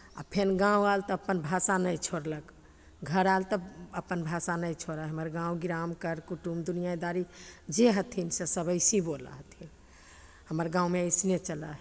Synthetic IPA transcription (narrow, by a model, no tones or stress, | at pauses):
a̰pʰenɡãwalt̪əəpːənbʱasanəjt͡ʃʰoɾlək | ɡʱəɾalt̪əəpːənbʱasanəjt͡ʃʰoɾəɦəməɾɡãwɡiɾamkəɾkuʈumd̪unijaid̪aɾid͡ʒeɦət̪ʰinsesəbəɪsibola̰ɦət̪ʰin | həməɾɡãwmesnet͡ʃələɦ